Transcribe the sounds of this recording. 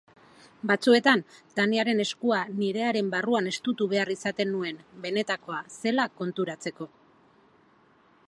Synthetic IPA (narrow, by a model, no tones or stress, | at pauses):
bat͡sue̞t̪ant̪aniaɾe̞ne̞skuaniɾe̞aɾe̞mbaruane̞st̪ut̪uβ̞e̞arisat̪e̞nːue̞nbe̞ne̞t̪ako̞ase̞lako̞nt̪uɾat͡se̞ko̞